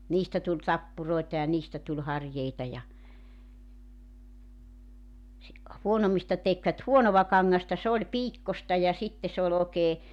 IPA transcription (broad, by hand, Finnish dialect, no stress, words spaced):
niːstæ tulʲ tɑpːuroi̞tɑ jɑ niːstæ tulʲ hɑrjeitɑ jɑ si huonomːistɑ tekʋæt huonoʋɑ kɑŋːɑstɑ se olʲ piːkːostɑ jɑ sitːe se ol oˑeke